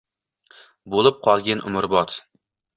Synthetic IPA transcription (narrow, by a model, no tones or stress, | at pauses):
bolˠɪp̚qʰɒlˠɡʲanʔʊ̰mʊɾbɒt̪